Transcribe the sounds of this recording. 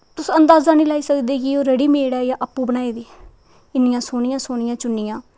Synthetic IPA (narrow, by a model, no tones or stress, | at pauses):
t̪ʊsːənd̪aːzaːnĩːlaːiːsəkd̪eːɡioːɾəɽiːmeːɽaːjãːʔəpːũːbənaːeːd̪iː | ɪnɪjãːsoːɳ̃ɪjãːsoːɳ̃ɪjãːt͡ʃʊnːɪjãː